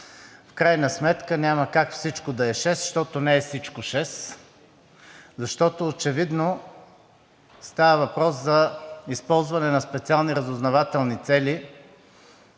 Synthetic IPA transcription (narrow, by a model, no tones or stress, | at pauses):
fkɾajnɐsmɛt̪kənʲaməkakfsit͡ʃkod̪ɐɛʃɛsʃt̪ɔt̪onɛɛfsit͡ʃkoʃɛs | zɐʃt̪ɔt̪oːt͡ʃɛvid̪no | st̪avəvɐpɾɔszɐispɔlˠzvɐnɛnɐspɛt̪sialˠniɾɐzʊznɐvat̪ɛlˠnit̪sɛli